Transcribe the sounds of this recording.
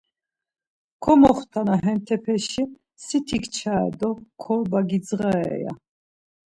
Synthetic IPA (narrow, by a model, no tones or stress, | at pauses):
kʰɔmɔχt̪ʰanaɦɛnt̪ʰɛpʰɛʃi | sit̪ʰikʰt͡ʃʰa̰ːd̪ɔkʰɔbaɡid͡zʁaɛɛ̰ja̰